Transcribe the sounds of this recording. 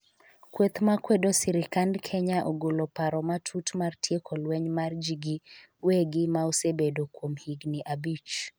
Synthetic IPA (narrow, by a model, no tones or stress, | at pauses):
kwet̪makwedosiɾɪkandkʰɛɲaʔoɡolopaɾɔmatʰutmartʰjekʰɔlwɛɲmard͡ʒiɡi | weɡɪmaosebedokwomhiɡniʔabit͡ʃ